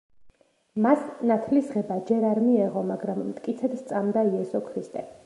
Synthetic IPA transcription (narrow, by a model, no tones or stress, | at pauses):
masnat̪ʰlisʁɛbad͡ʒɛɾaɾmiɛʁɔmaɡɾamːt̪ʼkʼit̪sʰɛd̪st̪sʼamd̪aiɛsɔkʰɾist̪ʼɛ